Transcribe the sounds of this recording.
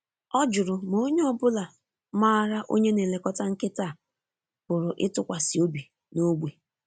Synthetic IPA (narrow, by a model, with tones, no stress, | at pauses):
ɔ˦d͡ʒʊ˨ɾʊ˨mo˨o˦ɲe˦ɔ˦bʊ˦la˨˦ | ma˦ɾa˦ʔo̰˦ɲe˦ne˨le˨kɔ˦ta˦ŋ̩˦kɪ˦ta˦˨ | bʊ˨ɾʊ˨ʔɪ̰˦tʊ˨kʷa˨si˨o˦bi˨ | no˦ɡ͡bʷe˨